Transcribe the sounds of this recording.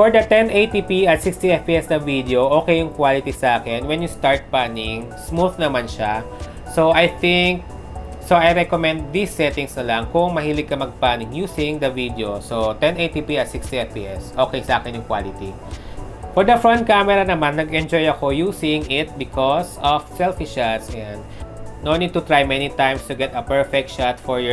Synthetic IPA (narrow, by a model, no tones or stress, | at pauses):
fɔɹd̪ɐt̪ɛnʔejt̪ipiɐt̪sikst̪iɛfpiɛsnɐvid̪eoʔoːkɛjʊŋkwalɪt̪isɐʔaːkɛnwɛnjʊst̪aɹt̪̚panɪŋ | smuθnɐmanʃa | soʔɐjθɪŋk̚ | soʔɐjɾɛkomɛ̃nd̪̚ːisːɛt̪ɪŋsnɐlɐŋkʊŋmɐhilɪɡ̚kːɐmɐɡ̚paːnɪŋjusiŋd̪ɐvid̪eosot̪ɛ̃nejt̪ipiɐt̪sɪkst̪iɛfpiʔɛsʔoːkɛjsɐʔaːkɛnjʊŋkwa̰lɪt̪i | fɔɹd̪ɐfɹɔ̃nt̪̚kamɛɾɐnɐmanːɐɡɛnd͡ʒɔjɐko̞juːsɪŋɪt̪̚bɪkʰɔsɔfsɛlfɪʃat̪sɛ̃nd̪̚nonit̪ʊt̪ɹajmɛnit̪ãjmst̪ʊɡɛt̪ɐpɛɹfɛk̚t̪ʃat̪fɔɹjɔ